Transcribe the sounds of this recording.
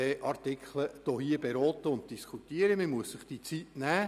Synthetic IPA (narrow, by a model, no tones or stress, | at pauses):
ɛʔɑrt̪ɪkʰχləd̥ɔɦiəbeɾɔːt̪əʊnt̚d̥iskʰut̪iəɾəmɪmuəsːəχd̥it͡sitnæː